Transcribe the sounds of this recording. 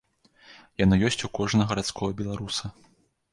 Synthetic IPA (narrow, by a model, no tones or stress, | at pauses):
janɨjɔsʲt͡sʲukɔʐnɐɣɐɾat̪skʰɔɣɐbʲɛlˠaɾusɐ